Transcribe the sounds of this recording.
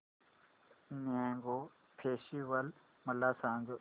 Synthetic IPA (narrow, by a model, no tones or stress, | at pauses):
nãːŋɡo | pʰeːʃiwɐl | mɐlːaːsãːŋɡo